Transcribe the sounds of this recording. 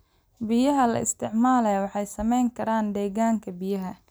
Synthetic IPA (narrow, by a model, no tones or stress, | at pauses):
bɪjɐɦɐlɐ̰ɪ̰st̪ʰɪʕmaːlɛwɑħɑjsɐmɛjŋkʰɐɾaːnd̪ɛːɣaːŋkʰɐbɪjɐɦɐ